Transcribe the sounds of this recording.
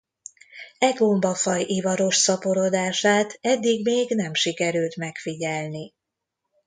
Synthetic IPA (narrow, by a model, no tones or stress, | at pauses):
ɛɡombɒfɒjʔivɒɾo̞ʃsɒpo̞ɾo̞d̪aːʃaːt̪ʰɛd̪ːiɡmeːɡnɛmʃikɛɾylt̪mɛkfiɟɛlni